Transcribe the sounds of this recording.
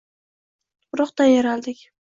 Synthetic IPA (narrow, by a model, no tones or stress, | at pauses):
ʊɾɒqt̪ajaɾalˠd̪ɪkʲ